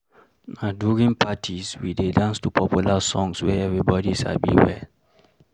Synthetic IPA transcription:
naduɹĩŋpʰatʰiswidedãnstupʰɔpʰjulasɔ̃ŋswɛɛvɹibɔdiʃa̰bḭwɛl

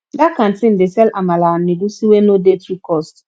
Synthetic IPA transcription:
dakan̩tɪn̩dɪsɛlamalan̩nɪdusiwenodetɾikɔst

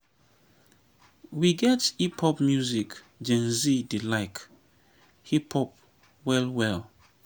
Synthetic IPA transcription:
wiɡɛtipʰɔpmjuzik | d͡ʒɛ̃nzidilaɪk | hipʰɔp̚ | wɛlwɛl

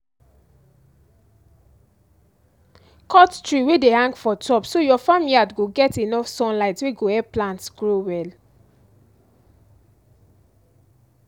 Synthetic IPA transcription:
kʰɔttɹiwedehãŋɡfɔtʰɔpsojɔfamiliatɡoɡɛtenɔfsɔ̃nlaɪtweɡoɛplãntsɡ̥ɹowɛl

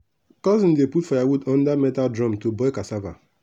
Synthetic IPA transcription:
kɔzn̩deputfajawudɔ̃n̩damɛtadɾɔmtobɔekasava̰

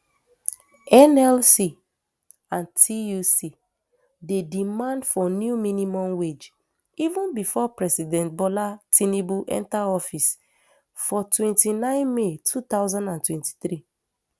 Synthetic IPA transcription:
ɛnɛlsi | ãntʰiusi | dedimãndfɔnjuminimɔ̃mwed͡ʒ | ivũnbifɔpɹɛsidɛ̃ntbɔlatʰĩnebuʔɛ̰̃ntaɔfis | fɔtwɛ̃ntinãɪ̃nmetʰut̪aʊzãndãntwɛ̃nti̥tɹi

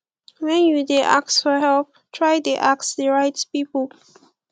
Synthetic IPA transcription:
wɛ̃njudeʔa̰k̚sfɔɦɛlp̚ | tʰɹajdeʔaksdəɹaɪtpipəl

